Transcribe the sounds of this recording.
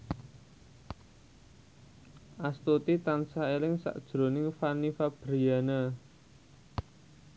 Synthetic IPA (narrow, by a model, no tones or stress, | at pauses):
ʔast̪ot̪it̪ansaelɪŋsa̰ʔd̥ʒ̥ɾo̤nɪŋfanifab̥ɾɾianə